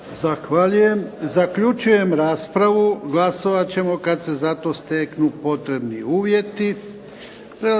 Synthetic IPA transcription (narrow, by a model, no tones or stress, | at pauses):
zaxʋaʎuje̞mzakʎut͡ʃuje̞mɾaːspɾaʋuɡlaso̞ʋat͡ɕe̞mo̞kad̪se̞zat̪o̞ːst̪e̞knupo̞t̪ɾe̞bnḭuːʋje̞t̪i | pɾe